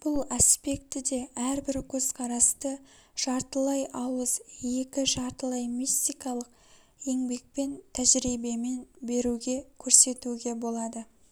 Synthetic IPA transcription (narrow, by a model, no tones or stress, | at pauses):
b̥ʊlˠɑspe̞kt̪ɪd̪e̞æɾbɪɾkʲʰɵz̥qʰɑɾɑst̪ə | ʒ̥ɑɾt̪əlˠɑjʔɑwəzje̞kʲɪʒɑɾt̪əlˠɑjmist̪ijkɑlˠəq | e̞ŋbe̞k̚pe̞nt̪ʰæʒɾibe̞me̞nbe̞ɾuɡʲe̞kʲʰɵɾse̞t̪uɡʲe̞bo̞lˠɑd̪ə